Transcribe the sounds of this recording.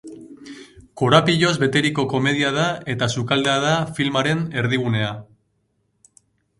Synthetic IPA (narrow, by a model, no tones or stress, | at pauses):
ko̞ɾapiʎo̞zβe̞t̪e̞ɾiko̞ko̞me̞ð̞iað̞ae̞t̪asukald̪eað̞afilmaɾe̞ne̞ɾðiɣune̞a